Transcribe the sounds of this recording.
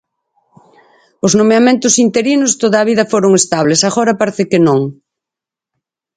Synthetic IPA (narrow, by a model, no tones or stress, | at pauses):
ʊznomeamẽnt̪ʊsint̪eɾinost̪oðaːβ̞iðɐfoɾʊŋest̪aβ̞lesaɣoɾɐpaɾeθɪkɪnõŋ